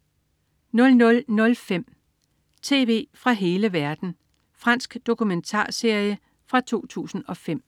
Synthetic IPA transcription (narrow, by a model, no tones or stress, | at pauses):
nɔ̽lnɔ̽lnɔ̽lfem̰ | t͡sʰe̝̰ːʋe̝̰ːfʁɑ̈ɦe̝ːləʋæɐd̥n̩ | fʁɑ̈n̰sɡ̥d̥o̝kument͡sʰɑ̰̈ːse̝ɐ̰jə | fʁɑ̈t͡sʰo̝̰ːt͡sʰṵːsn̩ɒ̽fem̰